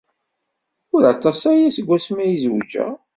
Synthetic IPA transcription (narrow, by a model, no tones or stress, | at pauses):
ʊɾɑt̪ˤɑsæjæsəɡʷːæsmæjizwəd͡ʒæ̰